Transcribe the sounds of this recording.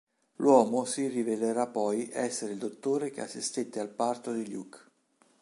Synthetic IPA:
lwɔːmosiriveleɾapːɔjʔɛsːeɾeild̪ot̪ːoːɾek̟ea̰sːist̪et̪ːealpart̪od̪iʎjuk

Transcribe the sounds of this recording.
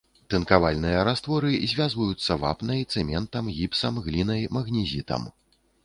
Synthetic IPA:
t̪ɨnkavalʲnɨjɐɾast̪vɔɾɨzʲvʲazvɐjut̪sːɐva̰pnɐjt̪sɛmʲɛnt̪ɐmɣʲipsɐmɣlʲinɐjmɐɣnʲizʲit̪ɐ̰m

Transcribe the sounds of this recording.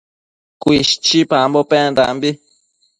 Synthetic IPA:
kʷiʃt͡ʃipãmbopeand̪a̰mbi

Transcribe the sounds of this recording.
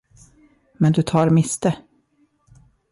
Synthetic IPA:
mɛnd̪ɵt̪ʰɑːɾmɪst̪ə

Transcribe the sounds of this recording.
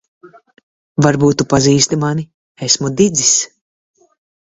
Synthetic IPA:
vaɾbuːt̪ːupaziːst̪imani | esmud̪id̪zis

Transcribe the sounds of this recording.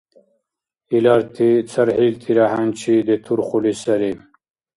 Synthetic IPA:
ilaːɾt̪ʰit͡sʰɐɾhilt̪ʰiɾaɦant͡ɕʰid̪et̪ʰuɾχulisɐɾi

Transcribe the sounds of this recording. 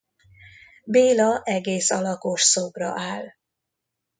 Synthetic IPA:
beːlɒʔɛɡeːsɒlɒkoʃsoɡrɒ̰ʔaːl

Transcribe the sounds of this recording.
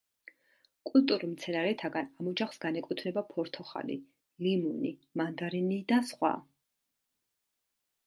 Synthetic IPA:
kʼult̪ʼuɾumt̪sʰɛnaɾɛt̪ʰaɡanamɔd͡ʒaχsɡanɛkʼit̪ʰnɛbapʰɔɾt̪ʰɔχa̰lḭ | limunimand̪aɾinid̪asχwa̰

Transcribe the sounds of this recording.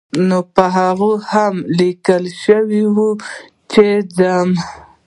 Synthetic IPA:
nopəɦaɣohamlikəlʃəwiwu | t͡ʃed͡zam

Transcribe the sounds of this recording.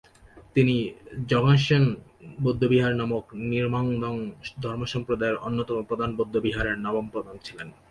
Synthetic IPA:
t̪inid͡ʑɔŋaʃenbod̪ʱːobiɦaɾnamokniɾmaŋd̪ɔŋd̪ʱɔɾmoʃɔmpɾod̪aeɾʔonːot̪ɔmopɾod̪ʱanbod̪ʱːobiɦaɾeɾnɔbompɾɔd̪ont͡ɕʰilen

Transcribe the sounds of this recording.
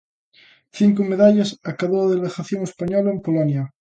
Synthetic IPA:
θiŋkomeðaʎasakaβoaðeleɣaθjoŋespaɲolaempolonja

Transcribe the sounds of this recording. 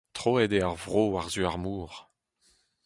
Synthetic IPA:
t̪χoɛd̪eaʁvʁoːaʁzyaʁmuːʁ

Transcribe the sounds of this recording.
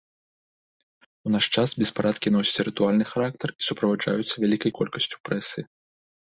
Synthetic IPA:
unaʂt͡ʂasbʲɛspaɾʔat̪kʲinɔsʲɐ̥t͡sʲɾɨt̪ualʲnɨxaɾakt̪ɐri̥supɾɐvaʐa̰jut̪sːɐvʲalʲikɐjkɔlʲkɐsʲt͡sʲu̥pɾɛsɨ

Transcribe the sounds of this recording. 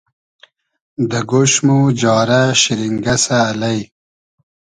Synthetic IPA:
d̪əɡoʃmud͡ʒɑːɾaʃiɾiŋɡasaːlaj

